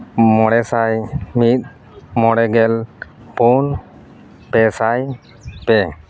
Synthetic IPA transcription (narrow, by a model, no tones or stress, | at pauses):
mɔɽɛsajmit̪̚ˀ | mɔɽɛɡɛl | pun | pɛsaj | pɛ